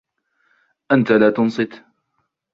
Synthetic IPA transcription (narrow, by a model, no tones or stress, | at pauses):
ʔant̪alaːt̪ʊnsˤɨt̪